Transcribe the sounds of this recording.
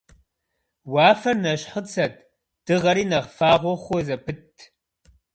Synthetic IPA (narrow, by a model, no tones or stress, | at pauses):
wɑːfɐrnɐɕħət͡sʰɐt̚ʰ | d̥ɨʁɐɾiːnɐʁfaːʁʷɔχʷɔzɐpʰɨtʰː